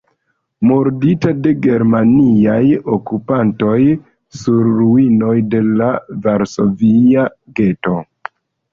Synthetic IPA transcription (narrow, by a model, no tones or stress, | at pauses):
moɾditade̞ɡe̞ɾmaniajokupanto̞j | suɾːuino̞jde̞lavaɾso̞viaɡe̞to̞